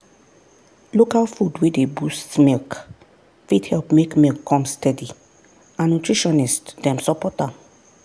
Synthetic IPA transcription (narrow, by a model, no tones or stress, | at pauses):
lokalfudwedebustmilk | fithɛlpmekmilkʰːɔ̃mstɛdi | ãnːutɹiʃɔ̃nistdɛ̃msɔpɔta